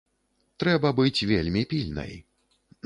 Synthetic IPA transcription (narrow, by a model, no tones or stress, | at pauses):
t̪ɾɛbɐbɨt͡sʲvʲelʲmʲipʲilʲnɐ̰j